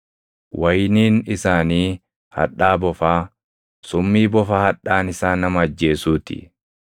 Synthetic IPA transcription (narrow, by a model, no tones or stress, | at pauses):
wʔɐjniːnɪsaːniː | hɐ̰ᶑaːbɔfaː | sʊmːiːbɔfahɐᶑːaːnɪsaːnːɐmɐɐd͡ʒːe̞ːsuːt̪ɪ̰